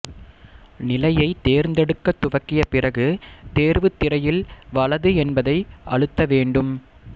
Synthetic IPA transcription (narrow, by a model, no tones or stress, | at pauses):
nɪlɐjɐɪt̪eːɾnd̪ɛɽɯkːɐt̪ːʊʋɐkːɪjɐpɪrɐɣɯt̪eːɾʋɯt̪ːɪɾɐjɪlʋɐɭɐðɯɛnbɐðɐɪɐɻɯt̪ːɐʋeːɳɖɯm